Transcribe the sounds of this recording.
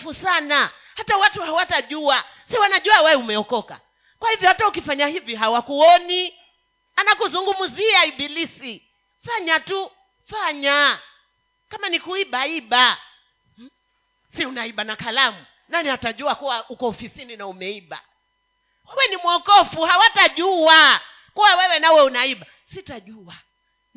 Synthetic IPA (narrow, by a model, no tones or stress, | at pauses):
fusana | hatawatuhawataʄua | siwanaʄuawɛumɛɔkɔka̰ | kwahivjɔhataukifaɲahiviɦawakuɔni | anakuzuŋɡumuziaiɓilisi | faɲatu | faɲa | kamanikuiɓaiɓa | siunaiɓanakalamu | nanihataʄuakuwaʔukɔɔfisininaumɛiɓa̰ | wawɛnimuɔkɔfuhawataʄua | kuwawɛwɛnawɛunaiɓa | sitaʄua